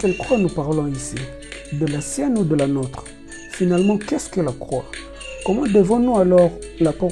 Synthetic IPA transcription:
kɛlkχwanupaʁlɔ̃isi | d̪əlasjɛnud̪əlanot̪χ | finalmɑ̃kɛskəlakχwa | kɔmɑ̃d̪əvɔ̃nũalɔʁlapɔ

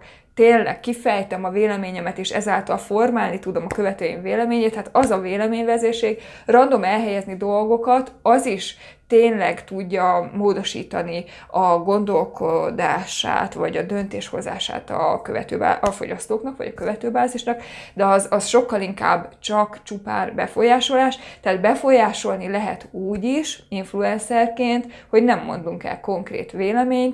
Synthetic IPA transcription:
t̪eːnlɛ̰kkːifɛjt̪ɛmɒveːlɛmeːɲɛmɛt̪eːʃɛ̰zaːlt̪ɒlfo̞rmaːlnit̪ud̪o̞mɒkø̞vɛt̪øːjḭmveːlɛmeːɲeːt̪ːaːt̪ɒzɒveːlɛmeːɲvɛzeːʃeːɡ | rɒnd̪o̞mɛlɦɛjɛznid̪o̞lɡo̞kɒt̪ɒziʃ | t̪eːnlɛɡt̪uɟːɒmoːd̪o̞ʃḭːt̪ɒni | ɒɡo̞nd̪o̞lko̞d̪aːʃa̰ːt̪ʋɒɟɒd̪ø̞nt̪eːʃho̞̰za̰ːʃa̰ːt̪ɒ̰kø̞vɛ̰t̪øːba̰ːʔɒfo̞̰ɟɒst̪oːknɒkʋɒ̰ɟɒkø̞vɛt̪øːbaːziʃnɒkd̪ɛɒzɒsʃo̞kːɒliŋka̰ːbːt͡ʃɒkt͡ʃupa̰ːrbɛ̰fo̞jaːʃo̞laːʃt̪ɛaːd̪bɛfo̞jaːʃo̞lnilɛɦɛ̰t̪uːɟiʃiɱfluɛnsɛrkeːnt̪ho̞ɟnɛmːo̞̰nd̪uŋkɛ̰lko̞ŋkrḛːt̪ʋeːlɛmeːɲt̪

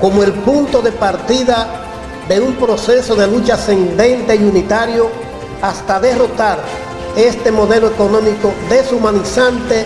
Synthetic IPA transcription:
ko̞moe̞lpunt̪o̞ðe̞paɾt̪iða | ðe̞umpɾo̞se̞so̞ðe̞lut͡ʃase̞nd̪e̞nt̪e̞iunit̪aɾjo̞ | ast̪aðe̞ro̞t̪aɾ | e̞st̪e̞mo̞ðe̞loeko̞nõ̞miko̞ðe̞sumãnisant̪e̞

